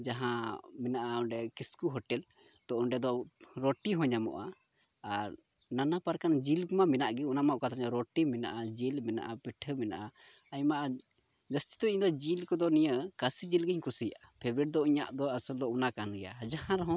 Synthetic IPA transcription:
d͡ʒaɦãmɛnaʔaɔɳɖɛkiskuɦɔʈɛl | t̪ɔʔɔɳɖɛd̪ɔɾɔʈiɦɔ̃ɲamɔ̰ʔaː | ɾ | nanapaɾkand͡ʒilɡumamɛnaʔɡɛunamaʔkat̪ʰɲaɾɔʈimɛna̰ʔad͡ʒilmɛna̰ʔapiʈʰəmɛna̰ʔa | ajmaʔa | d͡ʒəst̪i̥t̪ɔɲd̪ɔd͡ʒilkɔd̪ɔnijəkasid͡ʒilɡəɲkusijaʔapʰebɾɛʈ̚d̪ɔiɲa̰ʔd̪ɔasəld̪ɔunakanɡɛja̰d͡ʒaɦãɾɦɔ̃

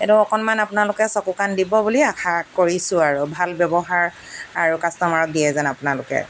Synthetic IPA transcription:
etʊɔkɔnmanapʊnalʊkɛsɔkukandibɔbuliakʰakoɹisʊ̃aɹubʱalbjɔbɔɦaɹ | aɹukastɔmaɹɔk̚dijɛzanapʊnalʊkɛ̰

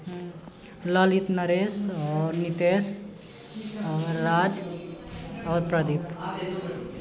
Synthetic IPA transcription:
ləlit̪nəɾesɔɾnit̪es | ɔɾːad͡ʒ | ɔːɾpɾəd̪ip

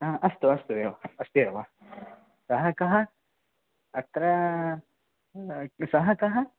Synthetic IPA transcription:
aʔɐst̪uɐst̪ueɐst̪ujɐɾʋa | sɐɦɐkɐɦɐ | ɐt̪ɾɐ | sɐɦɐkɐɦɐ

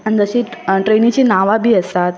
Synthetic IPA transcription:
anid͡zəɕiʈɾenit͡ɕiːnaʋabʱiːəst̪at̪̚

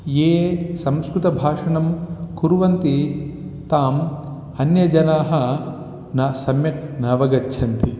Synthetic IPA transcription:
jeːsɐmskɾut̪ɐbʱaːʂɐɳɐmkuɾuʋɐnt̪it̪aːm | ɐnjɐd͡ʒɐnaːɦɐ | naːsɐmjɐknɐːʋɐɡɐtːt͡ʃʰɐnt̪i

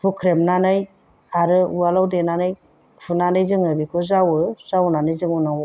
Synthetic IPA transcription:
pʰukʰɾemnanɯj | aɾɯualawdenanɯj | kʰunanɯjzɯŋɯbikʰɔzawɯz̥awnanɯjzɯŋunaw

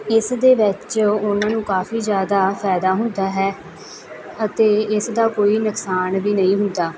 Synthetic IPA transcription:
ɪsd̪eːʋɪt͡ʃʊnãːnũːkaːfiːzjaːd̪aːpʰɛːd̪aːɦʊnd̪aːɦɛː | ət̪eːɪsd̪aːkoːiːnəksaːnbiːnəĩːɦʊnd̪aː

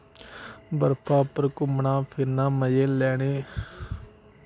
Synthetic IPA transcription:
bəɾpʰaːpəɾkʊmɳãːpʰɪɾnãːməjeːlɛːɽ̃eː

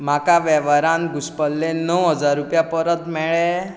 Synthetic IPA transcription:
makaʋɛʋəɾanɡuspəlːenɔwɦəd͡zaɾːupjapəɾət̪mɛɭe

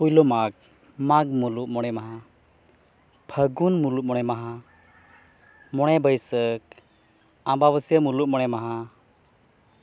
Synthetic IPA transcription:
ujlɔmak | maɡ̚muluʔmɔɽ̃ɛmaɦa | bʱʰəɡunmuluʔ̚mɔɽ̃ɛmaɦa | mɔɽ̃ɛbəjsək | ãbaβəsəmuluʔ̚mɔɽ̃ɛmaɦa

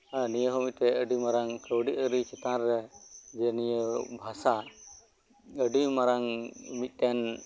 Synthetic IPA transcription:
anijəɦɔmit̪̚t̪ɛəɖimaɾaŋkəwɖiʔəɾit͡ʃɛt̪ãɾːɛd͡ʒɛnijəbʱasa | əɖimaɾaŋmit̪̚ˀt̪ɛn

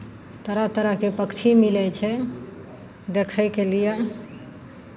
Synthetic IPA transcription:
t̪əɾat̪əɾəɦkepəkt͡ʃʰimilɛt͡ʃʰɛ | d̪ekʰəkelija

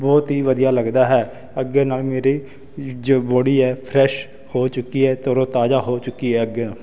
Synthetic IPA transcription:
bɔːt̪ɦiːʋəd̪ijaːləɡd̪aːɦɛː | əɡːeːnaːlmeːɾiː | d͡ʒoːboːɽiːɛːpʰɾɛːʃ | hoːt͡ʃʊkːiːɛːt̪oːɾõːt̪aːd͡ʒaːɦoːt͡ʃʊkːiːɦɛːəɡeːnaːl

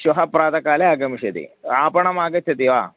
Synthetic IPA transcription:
ʃɐɦɐpɾaːt̪ɐkaːleaːɡɐmiʂɐt̪ḭaːpɐɳɐmaːɡɐt͡ʃʰːɐt̪iʋa̰ː

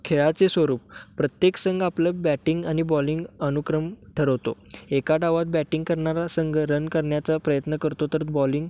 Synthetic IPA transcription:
kʰeɭat͡sesʋəɾuːp̚ːɾət̪jeksəŋɡapləbæʈiŋɡañibɔliŋɡənukɾəmʈʰəɾəʋt̪o | ekaɖaʋat̪̚bæʈiŋɡkəɾɳaɾasəŋɡɾənkəɾɳjat͡sapɾəjət̪nəkəɾt̪ot̪əɾbɔliŋɡ

